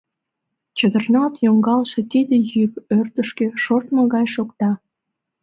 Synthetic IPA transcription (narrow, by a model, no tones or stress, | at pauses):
t͡ɕəd̪ərnɑt̪joŋɡɑlʃet̪id̪ejykørt̪əʃkeʃort̪məɣɑjʃokt̪ɑ